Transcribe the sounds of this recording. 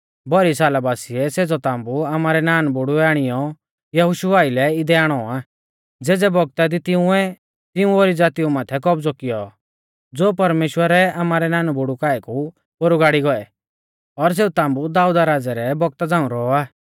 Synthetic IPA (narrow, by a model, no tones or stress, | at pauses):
bɔɾisaːlabaːsiɛseːd͡zɔt̪ãːmbuamaːɾɛnaːnbʊɽuaːɽ̃ɪjɔ | jɐɦʊʃuʋaːilɛɪd̪ɛaːɽ̃ɔaː | d͡zeːd͡zɛbɔɡ̚t̪ad̪it̪ɪũɛ | t̪ɪ̃ũoːɾid͡zaːt̪iumaːt̪ʰɛkɔbd͡zɔkɪjɔ | d͡zoːpɐɾmeːʃwəɾɛaːmaːɾɛnaːnbʊɽukaːɛku | boɾuɡaːɽiɡɔɛ | ɔɾs̬eːut̪ãːmbud̪aːud̪aɾaːd͡zɛɾɛbɔɡ̚t̪ad͡zãːũɾɔɔaː